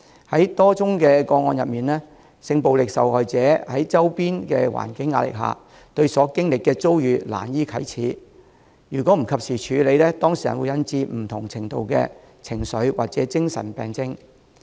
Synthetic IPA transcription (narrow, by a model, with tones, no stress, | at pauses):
hɐ˨˦˥jt̪ɔː˥t͡sʊ˥ŋkɛː˧kɔː˧ŋɔː˧njɐ˨p̚miː˨nlɛː˥ | sɪ˧ŋpo˨wlɪ˨k̚sɐ̰˨whɔː˨jt͡sɛː˨˥hɐ˨˥jt͡sɐ˥wpiː˥nkɛː˧wa̰ː˨˩nkɪ˨˥ŋːaː˧t̚lɪ̰˨k̚ɦa̰ː˨˩ | t̪ɵ˧ɥsɔː˨˥kɪ˥ŋlɪ˨kːɛː˧t͡so˥wjyː˨˧la̰ː˨˩njiː˥kʰɐ˨˥jt͡sʰiː˨˥ | jyː˨˩kʷɔː˨˥m̩˨˩kʰɐ˨p̚siː˨t͡ʃʰyː˨˧le˨˧jlɛː˥t̪ɔː˥ŋsiː˨jɐ̰˨˩nwu˨˧jɐ˨˧nt͡siː˧m̩˨˩t̪ʰʊ˨˩ŋt͡sʰɪ˨˩ŋt̪o˨wkɛ̰ː˧ | t͡sʰɪ˨˩ŋsɵ˨˥ɥwa̰ː˨k̚t͡sɛː˨˥t͡sɪ˥ŋsɐ̰˨˩npɛː˨ŋt͡sɪ˥ŋ